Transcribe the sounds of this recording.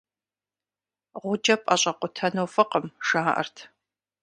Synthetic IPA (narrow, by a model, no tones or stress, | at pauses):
ʁʷʊd͡ʒɐpʼɐɕʼɐqʷʊtʰɐnowfɨqəmʂaːʔɐ̰rtʰ